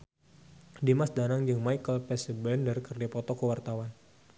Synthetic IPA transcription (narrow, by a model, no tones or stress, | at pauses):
dimasdanaŋd͡ʒɨŋmajkəlpɛsəbɛndərikərd͡ʒapɔt̪ɔkəwart̪awan